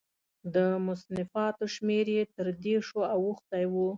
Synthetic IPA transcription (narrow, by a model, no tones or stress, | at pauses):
d̪əmʊsnɪfɑt̪oʃmeɾjet̪əɾd̪eʂoawuxt̪ajwu